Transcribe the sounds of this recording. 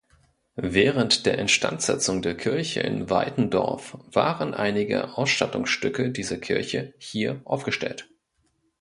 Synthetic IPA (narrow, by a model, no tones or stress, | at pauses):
vɛːʁ̞əntd̥eːɐʔɛntʃtʰa̰ntz̥ɛt͡sʊŋdeːɐkʰɪɐçə̰ɪ̰nva̰ɪtn̩dɔ̰ɐfv̥a̰ːʁənʔa̰ɪnɪɡə̰ʔaʊsʃtatʊŋsʃtʏkədiːzɐkʰɪɐçəhiːɐʔaʊfɡ̥əʃtɛ̰lt